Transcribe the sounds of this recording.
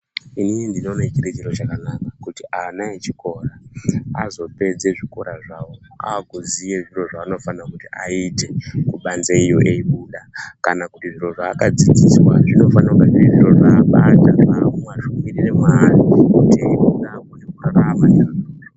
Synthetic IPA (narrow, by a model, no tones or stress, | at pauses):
ininindino̞nat͡ʃiret͡ʃeɾot͡ʃakanakakutianaet͡ʃiko̞raazo̞pe̞d͡ze̞ʐiko̞ɾaʐawoa̰ɡʱuzije̞ʐiɾo̞ʐaːno̞fanakutiaite̞kuɓanzeijo̞ʔeiɓuɗakanakutiʐiɾo̞ʐaːkad͡zid͡ziswa̰ʐino̞fanaukaʐiʐiɾo̞ʐaːɓataaumwaʃumiriremarikutiunakunekuraɾamanan